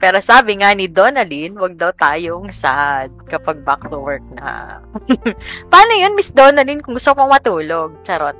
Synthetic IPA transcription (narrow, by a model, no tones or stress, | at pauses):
pɛːɾosaːbɪŋanɪd̪onɐlinwɐɡ̚d̪ɐwt̪aːjoŋsad̪̚kɐpaɡ̚bakluwɛɹk̚nɐ̰ | paːnojonmɪsd̪oːnɐlinkʊŋɡʊst̪okpɐŋmɐt̪uːloɡ̚t͡ʃɐɾot̪